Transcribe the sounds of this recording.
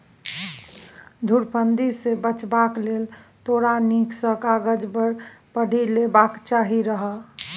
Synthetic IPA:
d̪ʱʊɾpʰənd̪isebət͡ʃbakleːlt̪oːɽaniksəkaːɡəd͡ʒbəɾpəɖʱilebakt͡ʃaːɦiɾəɦə

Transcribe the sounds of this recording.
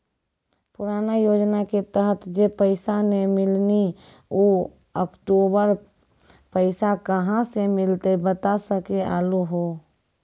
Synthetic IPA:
pʊɾaːnajoːd͡ʒnaket̪əɦət̪d͡ʒepəɪsanemɪlni | oː | əkʈoːbəɾ | pəɪsakəɦãsemɪlt̪ebət̪asəkea̰ːluɦo

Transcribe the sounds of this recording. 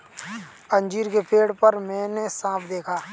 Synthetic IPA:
ə̃nd͡ʒiːɾkepʰeːɽpəɾmɛ̃ːnesãːpʰd̪eːkʰaː

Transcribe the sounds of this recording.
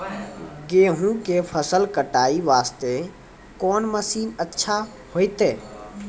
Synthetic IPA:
ɡeːɦũkepʰəsəlkəʈaːiʋaːst̪e | kɔːnməsiːnətːʃʰa | hoːɪt̪eː

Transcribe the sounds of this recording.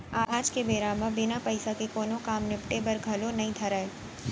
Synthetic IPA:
ad͡ʒkebeːɾaːmabɪnapɐɪsakekoːnõkaːmnɪpʈebɐɾɡʱɐlonɐɦĩt̪ʰɐɾaːeː

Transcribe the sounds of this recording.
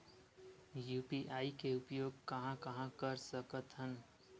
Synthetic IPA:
juːpiʔaːikeʊpjoːɡ̚kəɦãkəɦãkəɾsəkət̪ɦən

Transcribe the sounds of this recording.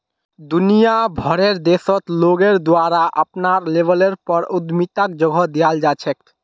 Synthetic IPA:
d̪unijabʱɔɾeɾd̪eʃot̪loɡeɾd̪oaɾaʔapnaɾlebʱeleɾpɔɾud̪mit̪ak̚d͡ʑoɡʱod̪iald͡ʑat͡ɕʰek̚

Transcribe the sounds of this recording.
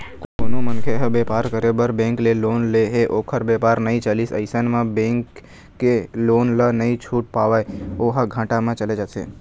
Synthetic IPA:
kkonomənkʰeɦəbɛpaɾkəɾebəɾbɛ̃ŋklelonleɦeʔokʰəɾbɛpaɾnəɦĩt͡ʃəlisə̰jsənmãbɛ̃ŋkː | elonlənəɦĩt͡ʃʰuʈ̚paʋajoɦaɡʱãʈamãt͡ʃəled͡ʒasḛ

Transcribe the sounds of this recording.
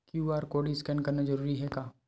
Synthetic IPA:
kjuːaːɾkoːɖiɪskɛːnkɐɾnad͡ʒɐɾuːɾiɦɛkaː

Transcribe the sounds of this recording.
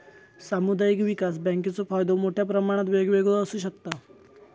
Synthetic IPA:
samud̪ajikʋikas̬bɛ̃ŋket͡sofajd̪omoʈʰjapɾəmaɽ̃at̪ʋeɡʋeɡoəsuːɕəkt̪a

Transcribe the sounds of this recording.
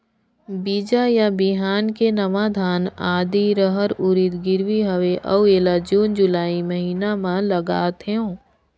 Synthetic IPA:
bid͡ʒajabiɦaːnkenəmaːd̪ʱaːnaːd̪iɾəɦəɾʊɾit̪ɡɪɾʋiɦəʋeʔɐueːlad͡ʒuːnd͡ʒʊlaːiməɦiːnamãləɡaːt̪ɦeõː

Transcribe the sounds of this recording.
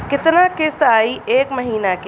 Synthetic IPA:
kɪt̪nakɪst̪aːiʔeːkmɐɦiːnak

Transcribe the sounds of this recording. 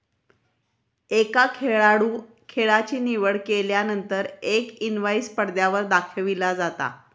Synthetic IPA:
ekakʰeɭaɽuː | kʰeɭat͡ɕiːniʋəɭkeljanənt̪əɾekinʋaispəɽd̪jaʋəɾd̪akʰəʋilad͡zat̪a̰

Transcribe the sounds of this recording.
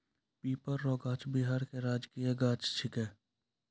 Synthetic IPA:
piːpəɾːɔːɡaːt͡ʃbiɦaːɾkeɾaːd͡ʒkijeɡaːt͡ʃt͡ʃʰɪkɛː

